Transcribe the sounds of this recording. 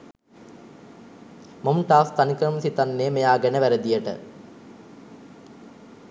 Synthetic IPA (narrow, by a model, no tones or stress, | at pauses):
momʈaːst̪ɐnikɾəmsit̪ɐnːeːmejaːɡenɐʋæɾəd̪ijəʈə̰